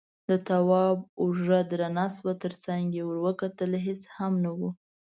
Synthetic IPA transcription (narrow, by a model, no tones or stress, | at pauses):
d̪ət̪awɑbʊʒəd̪ɾanɑswat̪əɾt͡saŋɡjewəɾwəkat̪əlɦeshamnawu